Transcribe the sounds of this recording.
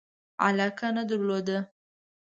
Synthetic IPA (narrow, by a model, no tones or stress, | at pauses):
a̰lɑkanəd̪əɾlod̪ə